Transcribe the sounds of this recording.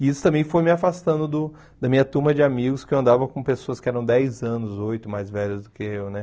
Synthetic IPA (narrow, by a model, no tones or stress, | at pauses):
iisʊt̪ɐ̃mbẽj̃fojmɪafast̪ɐ̃nd̪ʊd̪ʊ | d̪ɐmĩɲɐt̪ũmɐd͡ʒɪamiɡʊskɪewɐ̃nd̪avɐkõpesoɐskɪɛɾɐ̃w̃d̪ɛjzɐ̃nʊzojt̪ʊmajzvɛʎɐzd̪ʊkɪewnɛ